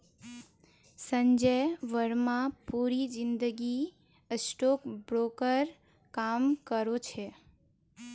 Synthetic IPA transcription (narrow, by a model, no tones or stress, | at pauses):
səɲd͡ʒəjʋəɾmãpuɾid͡ʒɪnd̪əɡi | sʈokbɾokəɾ | kamkəɾot͡ʃʰe